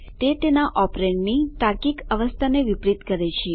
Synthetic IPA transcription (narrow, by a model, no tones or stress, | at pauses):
t̪et̪enaʔɔpɾeɳniʈaɾkikəʋəst̪ʰaneʋipɾit̪kəɾet͡ʃʰe